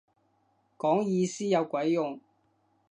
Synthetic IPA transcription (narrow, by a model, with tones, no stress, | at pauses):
kɔː˨˥ŋjiː˧siː˥jɐ˨˧wkʷɐ˨˥jjʊ˨ŋ